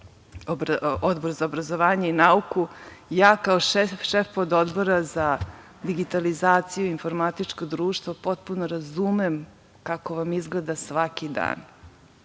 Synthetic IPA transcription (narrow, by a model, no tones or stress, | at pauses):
bod̪bo̞ɾzaobɾazoʋaːɲeinaukujaːkaoʃefod̪od̪boɾaza | d̪iɡit̪alizaːt̪sijuinfo̞ɾmat̪it͡ʃkod̪ɾuːʃt̪ʋopo̞t̪̚punoɾazumem | kakoʋamizɡled̪asʋakid̪a̰ːn